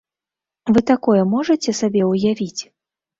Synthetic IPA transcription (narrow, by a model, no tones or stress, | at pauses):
vɨt̪akɔjɛmɔʐɐt͡sʲɛsabʲɛwjavʲit͡sʲ